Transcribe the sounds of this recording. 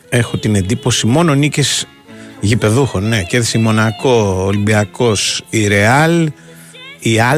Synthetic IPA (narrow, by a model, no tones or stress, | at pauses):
e̞xut̪ine̞nd̪ipo̞simo̞nonicez | ʝipe̞ðuxo̞nːe̞ceðsimo̞nɐkoːlimbiɐko̞siɾe̞ɐl | iɐ